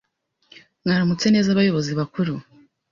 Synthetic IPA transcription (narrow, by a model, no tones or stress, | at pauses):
ŋŋaːɾamut͡se̞ne̞ːzaβajo̞βo̞ziβakuɾu